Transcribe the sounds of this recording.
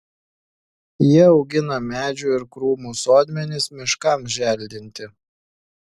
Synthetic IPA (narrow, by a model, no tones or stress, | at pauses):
jiɛɒʊɡʲɪnɐmʲæːd͡ʒʲuːɪɾkɾuːmuːsoːd̪ʲmʲɛnʲɪsmʲɪʃkɐˑmʒʲæˑlʲd̪ʲɪnʲt̪ʲɪ